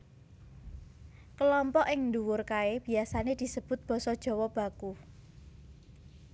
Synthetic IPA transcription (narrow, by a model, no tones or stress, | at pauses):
kəlɔmpɔʔɪŋnd̪uwʊrkaeb̥i̤asaned̪̥i̤səb̥ʊ̤t̪̚b̥ɔ̤sɔd̥ʒ̥ɔ̤wɔb̥a̤ku